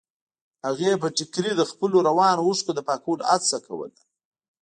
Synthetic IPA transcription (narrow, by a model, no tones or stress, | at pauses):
haɣep̬əʈɪkɾid̪əxpəloɾawɑnouʂkod̪əpɑkoɽa̰sakʰa̰wə̰l